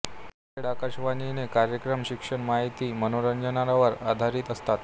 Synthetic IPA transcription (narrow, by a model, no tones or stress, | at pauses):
eɽakaɕʋaninekaɾjəkɾəmɕikʂəɳmaɦit̪iːmənoɾəɲd͡ʑənaɾaʋəɾa̰d̪ʱaɾiːt̪əst̪at̪